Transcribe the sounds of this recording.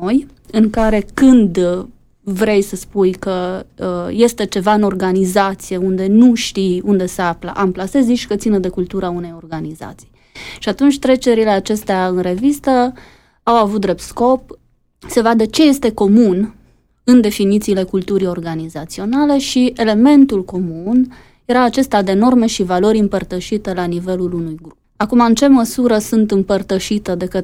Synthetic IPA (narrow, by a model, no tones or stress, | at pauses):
oj | ɨŋkaɾe̞kɨnd̪ | vɾe̞jsəspujkə | je̞st̪e̞t͡ʃe̞vaɨno̞rɡanizat̪sije̞und̪e̞nuʃt̪iund̪e̞seaflə̰ʔamplase̞ziʃkət̪sinəd̪e̞kult̪uɾaune̞jo̞rɡaniza̰t̪si̥j | ʃiat̪unt͡ʃʲt̪ɾe̞t͡ʃe̞ɾile̞at͡ʃe̞st̪eaɨnɾe̞vist̪ə | awavut̪̚d̪ɾe̞p̚t̪sko̞p̚ | se̞vad̪ət͡ʃe̞je̞st̪e̞ko̞mun | ɨnd̪e̞finit̪siːle̞kult̪uɾio̞rɡanizat̪sio̞nale̞ʃie̞le̞me̞nt̪ulko̞mun | je̞ɾaːt͡ʃe̞st̪ad̪e̞no̞rme̞ʃivalo̞ɾʲɨmpərt̪əʃit̪elanive̞lulunujɡɾup̚akumaɨnt͡ʃe̞məsuɾəsunt̪ɨmpərt̪əʃit̪əd̪e̞kə